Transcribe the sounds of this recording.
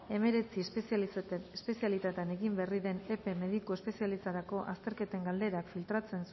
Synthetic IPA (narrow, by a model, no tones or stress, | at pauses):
e̞me̞ɾe̞t͡si | espe̞sialit̪at̪eane̞ɣimberiðe̞ne̞pe̞me̞ð̞iko̞espe̞sijalist̪aɾako̞ʔast̪e̞ɾke̞t̪e̞ŋɡald̪e̞ɾakfilt̪ɾat͡se̞ns